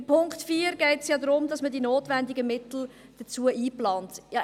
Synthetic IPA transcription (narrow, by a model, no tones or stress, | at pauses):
pʰʊŋktfiːəɾɡ̥ɛɪtsjɑːdɾʊmdɑsmədinoːtvɛndɪɡəmɪtl̩d̥ət͡suːəʔiːplɑːntjɑ